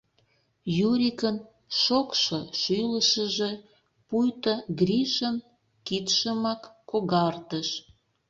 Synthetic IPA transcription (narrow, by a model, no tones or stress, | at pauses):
juɾʲikən | ʃokʃoʃyləʃə̆ʒe | pujt̪əɡɾʲiʃən | kit̪ʃəmɑkːoɣɑrt̪əʃ